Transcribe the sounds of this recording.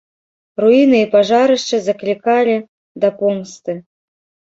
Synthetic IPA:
ruinɨipaʐaɾɨʂt͡ʂɐzɐklʲikalʲi | d̪ɐpuŋkst̪ɨ

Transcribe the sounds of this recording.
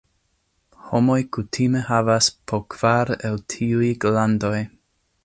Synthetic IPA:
homo̞jkutʰimehavaspʰokv̥aɾeltʰiujɡlando̞j

